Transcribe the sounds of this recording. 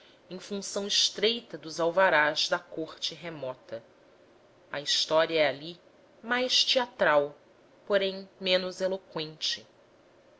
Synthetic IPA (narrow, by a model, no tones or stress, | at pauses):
ẽj̃fũsɐ̃w̃ɪʃt̪ɾejt̪ɐd̪ʊzawvaɾazd̪ɐkoχt͡ʃɪɦemɔt̪ɐ | ɐist̪ɔɾiɐɛali | majʃt͡ʃiat̪ɾaw | poɾẽj̃mẽnʊzelokwẽnt͡ʃɪ